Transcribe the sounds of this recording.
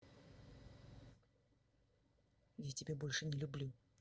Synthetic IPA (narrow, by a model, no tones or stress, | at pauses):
jatʲɪbʲebolʲʂɨnʲɪlʲʊblʲu